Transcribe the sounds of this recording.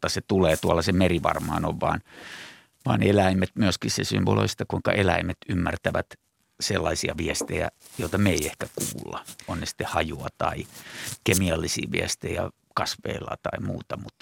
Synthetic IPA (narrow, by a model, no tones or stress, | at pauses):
t̪ːɑset̪uleːt̪uɑlːɑsemeriʋɑ̰rmɑːnoʋʋɑ̰ːn | ʋɑːnelæimet̪myøskissesy̰mʋolo̰ist̪ɑkuiŋkɑ̰ʔelæimet̪ymːært̪æʋæt̪ | selːɑisiɑʋiest̪ejæ̰ | joit̪ɑmeiehkækuːlːɑonnesi̥t̪ːehɑjuɑt̪ɑikemiɑlːisḭːʋḭest̪eijɑ̰ | kɑsʋḛilːɑ̰t̪ɑimṵːt̪ɑmut̪ː